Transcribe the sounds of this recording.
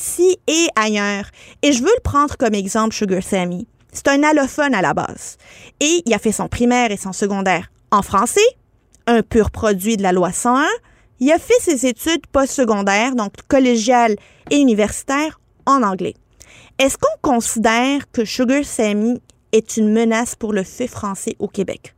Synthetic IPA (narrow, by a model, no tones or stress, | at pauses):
sieajœːʁeʒəvøləpχɑ̃d̪ʁəkɔmɛɡzɑ̃plʃuɡøʁsami | se̥t̪ɛ̃nalɔfɔnala̰ba̰ːz̥eilafɛsɔ̃pχimɛːʁesɔ̃səɡɔ̃d̪ɛːʁ | ɑ̃fχɑ̃sɛ | œ̃pyʁpχɔd̪zɥid̪əlalwasɑ̃ɛ̃ | ilafɛsezet̪yd̪pɔst̪səɡɔ̃d̪ɛːʁd̪ɔ̃kkːɔleʒjal | eynivɛʁsi̥t̪ɛːʁ | ɑ̃nɑ̃ɡlɛ̰ | ɛskɔ̃kɔ̃sid̪ɛːʁkəʃuɡøsɛmi | ɛt̪ynmənaspuʁləfɛfχɑ̃sɛʔokʲebɛ̰k